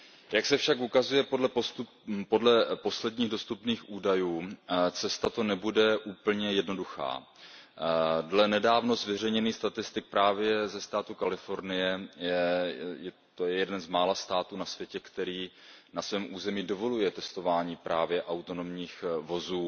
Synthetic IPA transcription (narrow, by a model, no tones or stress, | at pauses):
jaksɛfʃakʔukazujɛpodlɛp̪u | po̞dlɛpo̞slɛdɲiːɣdo̞st̪upniːxʔuːdajuːt͡sɛst̪at̪o̞nɛbudɛʔuːpl̩ɲɛjɛdno̞duxa̰ː | dlɛnɛdaːvno̞zvɛrɛjɲɛniːxst̪at̪ɪst̪ɪk̚pɾaːvjɛzɛst̪aːt̪ukalɪfo̞ɾnɪjɛjɛjɛ | t̪ojɛjɛdɛnzmaːlast̪aːt̪uːnasvjɛcɛkt̪ɛɾiː | nasvɛːmʔuːzɛmiːdo̞vo̞lujɛt̪ɛst̪o̞vaːɲiːpɾʔaːvjɛʔawt̪o̞no̞mɲiːxvo̞zuː